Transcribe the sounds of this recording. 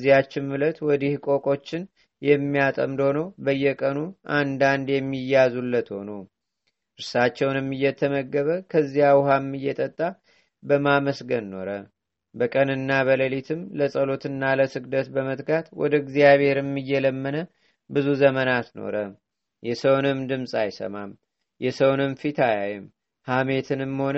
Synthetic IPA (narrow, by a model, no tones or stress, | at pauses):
zːijat͡ʃːɪmːulət̪wɔd̪ihkʼo̞kʼo̞t͡ʃːɪn | jɛmːijat̪ʼə̰md̪ho̞nobəjːɛkʼənuʔand̪and̪jɛmːijazulːət̪ho̞nu | ʔɨɾsat͡ʃːɛwnɛmːɨjːɛt̪ʰːəməɡːəβəkʰəzːijawhamːɨjːɛt̪ʼət̪ʼːa | bəmaməsɡənːo̞̰ɾə | bəkʼənɨnːaβələlit̪ʰɨmləsʼəlo̞t̪ɨnːaləsɨɡd̪ət̪bəmət̪ʼɡat̪wɔ̰d̪əɡzijaβhe̞ɾɨmːɨjːɛləmːənə | bɨzuzəmənat̪no̞̰ɾə | jɛsəwnɨmd̪ɨmsʼajsə̰mam | jɛsəwnɨmfit̪ʰajajɪm | hamet̪ʰɨnɨmːho̞n